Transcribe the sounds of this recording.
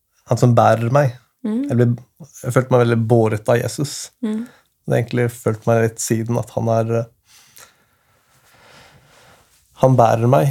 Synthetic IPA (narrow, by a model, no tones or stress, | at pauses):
hɑnsɔmbæːɾəɾmæɪ | jæɪblɪjæføːlt̪əmæɪʋɛlɪboːɾət̪ɑjḛːsʉs | d̪ḛːɡəŋk̪lɪføːlt̪mæɪlɪt̪ːsiːd̪n̩ɑ̰t̪hɑ̰næɾ | hɑnbæ̰ːɾəɾmæɪ